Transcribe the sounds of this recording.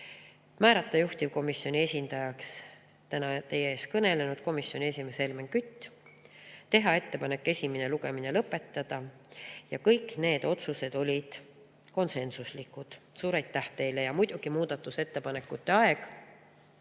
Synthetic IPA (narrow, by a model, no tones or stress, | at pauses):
mæːɾɑt̪ˑːɑjuht̪ʲivko̞misjo̞nʲie̞sʲind̪̥ɑjɑks | t̪ænɑt̪e̞jeeːs̚kɤne̞le̞nud̪̥̚ko̞misjo̞nʲie̞sʲime̞se̞lmeŋkyt̪ʲːˑ | t̪e̞ɦɑe̞t̪ːe̞pɑne̞kːˑe̞sʲimine̞luɡ̥e̞mine̞lɤpːˑe̞t̪ːɑd̪̥ɑ | jɑkɤjkne̞ːd̪̥o̞t̪suse̞d̪̥o̞lʲid̪̥ | ko̞nse̞nsuslikːˑud̪̥suːɾɑjt̪ːæht̪e̞jle̞jɑmujd̪̥uɡ̥imuːd̪̥ɑt̪ːˑuse̞t̪ːe̞pɑne̞kːˑut̪ːeɑe̞ɡ̥